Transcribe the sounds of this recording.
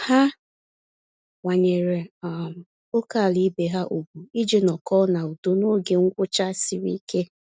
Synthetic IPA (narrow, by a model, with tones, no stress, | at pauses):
ha˦ | ŋʷa˨ɲe˨ɾe˨a˨m˨ | o˦ka˦˨li˦be˨ɦa˦ʔo˨bu˨i˦d͡ʒe˨nɔ˨kɔ˦na˨u˨do˦no˦ɡe˨ŋ̩˦kʷʊ˦t͡ʃa˦si˨ɾḭ˦ke˦